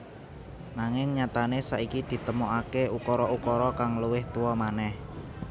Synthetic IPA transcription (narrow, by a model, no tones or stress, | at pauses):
naŋɪŋɲat̪anesa̰ʔikid̪̥i̤t̪əmoʔakeukɔɾɔukɔɾɔkaŋluwɪht̪uwɔmanɛh